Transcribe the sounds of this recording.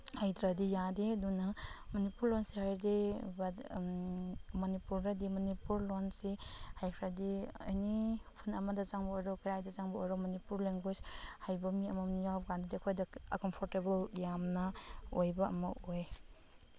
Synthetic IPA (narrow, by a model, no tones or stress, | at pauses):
hajtʰɾadijadidunɐmɔnipuɾlonsihajɾdib | mɔnipuɾdadimɔnipuɾlonsihajkʰɾadia̰jnipʰunɐmɐdɐzaŋbɐojɾɔkiɾajdɐzaŋbɐo̰jɾɔmɔnipuɾleŋɡwed͡ʒhajbɐmiɐmɐnijawpɡandidikʰojdɐkɔmpʰɔɾtebɐljamnɐojbɐɐ̰mɐʔoj